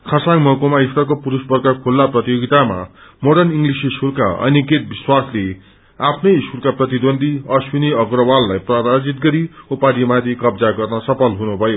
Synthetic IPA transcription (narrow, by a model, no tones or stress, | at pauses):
kʰʌsaŋmʌkomaist̪ʌrkopuɾusbʌrkakʰulːaprʌt̪ijoɡit̪ama̰moɽʌniŋɡlisisurka̰ʌ̰nikeʈ̚biswasle | apʰnʌjsurkaprʌt̪id̪ond̪ʱiʌswiniʌɡɾʌwalːajpraɾad͡zit̪̚ɡʌɾiupad̪imat̪ʰikʌbd͡zaɡʌrnʌsʌpʰʌlɦunubʱʌjo